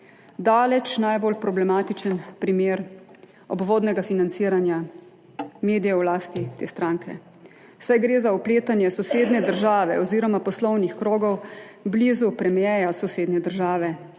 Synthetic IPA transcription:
d̪aːlɛt͡ʃnajbolpɾɔblɛmaːt̪it͡ʃənpɾimeːɾ | ɔ̰bʋoːd̪nɛɡafinant̪siːɾanja | meːd̪ijɛwlaːst̪it̪ḛːst̪ɾaːŋkʰɛ̰ | wsajɡɾeːzaɔpleːt̪anjɛsɔseːd̪nɛd̪əɾʒaːʋɛ̰ɔziːɾɔmapɔslɔwnixkɾoːɡɔwblizupɾɛmjɛjasɔseːd̪nɛd̪əɾʒaːʋɛ

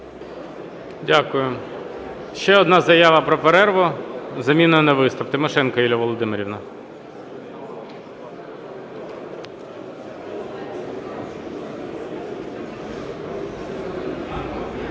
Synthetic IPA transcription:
dʲakʊjʊ | ʃt͡ʃɛɔd̪nɑzɐjaʋɐpɾɔpeɾɛrʋɔzɐmʲinɔjɐnɛʋɪst̪ɐpt̪ɪmɔʃɛnkɐilʲɐʋɔlˠɔd̪ɪmeɾʲiwnɐ

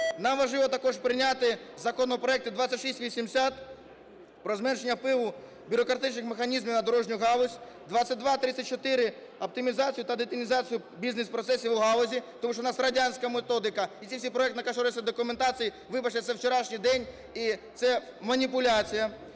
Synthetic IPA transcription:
nɑmʋɐʒɪʋɔt̪ɐkɔʒpɾɪnʲat̪ɪzɐkɔnɔɔpɾɔɛk̚t̪ʊd̪ʋat̪t͡sʲsʲːɐtʲʃisʲtʲʋʲisʲimsʲat̪ | pɾɔzmɛnʃenʲːɐpɪʋʊ | bʲʊɾɔkɾɐt̪ɪt͡ʃnɪxmexɐnʲizmʲiwnɐd̪ɔɾɔʒnʲʊɦɑlʊzʲ | d̪ʋat͡sʲːɐt̚ʲd̪ʋat̪ɾɪt͡sʲːɐt̚ʲt͡ʃːɔt̪ɪɾɪ | ɐp̚t̪ɪmʲizɑt͡sʲijʊt̪ɐd̪ɪt̪ɪmʲizɑt͡sʲijʊ | bʲiznespɾɔt̪sɛsʲiʋʊɦɑlˠɔzʲit̪ɔmuʃt͡ʃɔnɑsrɐdʲanʲsʲkɐmet̪ɔd̪ɪkɐit̪t͡sʲiwsʲijpɾɔɛkt̪ɪnɐkɐʃɔɾsʲɐd̪ɔkʊment̪ɑt͡sʲiji | ʋɪbɐt͡ʃɛsɛwt͡ʃeɾɑʃnʲijd̪ɛnʲ | it̪sɛmɐnʲipʊlʲat͡sʲijɐ

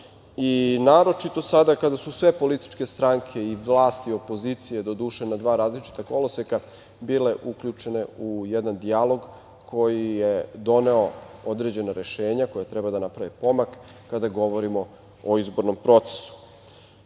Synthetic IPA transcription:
inaːɾo̞t͡ʃit̪o̞sad̪akad̪asusʋe̞po̞lit̪i̥t͡ʃke̞st̪ɾaŋkʰe̞iʋlˠaːst̪io̞po̞zit̪sije̞d̪o̞d̪uːʃenad̪ʋaːɾaːzlit͡ʃi̥t̪ako̞loseka | biːle̞ʔukʎut͡ʃe̞ne̞ujɛd̪and̪ialo̞ɡ | kʰo̞jijed̪o̞ne̞o̞od̪ɾe̞d͡ʑe̞naɾe̞ʃe̞ːɲako̞jat̪ɾɛbad̪anapɾaʋipo̞makː | ad̪aɡo̞ʋo̞ɾimo̞ | oizbo̞ɾno̞mpɾo̞t̪se̥su̥

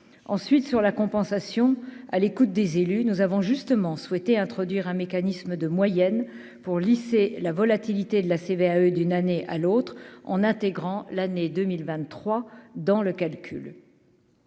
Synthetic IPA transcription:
ɑ̰̃sɥit̪syʁlakɔ̃pɑ̃sasjɔ̃a̰lekut̪̚d̪ezelynuzavɔ̃ʒyst̪əmɑ̃swɛt̪eɛ̃t̪χɔd̪ɥiʁɛ̃mekanisməd̪əmwajɛn | puʁliselavɔlat̪ilit̪ed̪əlaseveaød̪ynaneʔa̰lot̪χɑ̰̃nɛ̃t̪eɡʁɑ̃laned̪əmilvɛ̃t̪ːχwad̪ɑ̃ləkalkʲʰy̰l

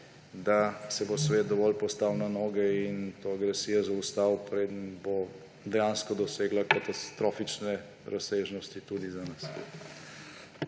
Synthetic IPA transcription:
d̪asɛbosʋeːt̪̚d̪ɔʋɔlpɔst̪awnanɔːɡɛint̪oaɡɾɛsiːjazaust̪awpɾeːd̪ənbo | d̪ɛjaːnskɔd̪ɔseːɡlakat̪ast̪ɾoːfit͡ʃnɛ | ɾʔasseʒnɔst̪it̪ud̪izanasḛ

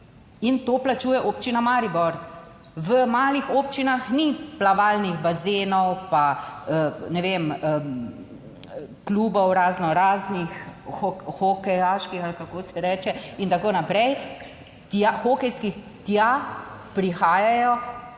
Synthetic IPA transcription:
int̪oːplat͡ʃuːjɛʔoːpt͡ʃinamaːɾibɔɾ | ʋəmaːlixoːpt͡ʃinaxniplaʋaːlniɣbazeːnɔwpaənɛʋemə | kluːbɔwɾaːznɔɾaːznixɔxokɛjaːʃkixalkakoːsɛɾɛːt͡ʃɛint̪akoːnapɾɛj | t̪axokɛjski | t̪japɾixaːjajɔ

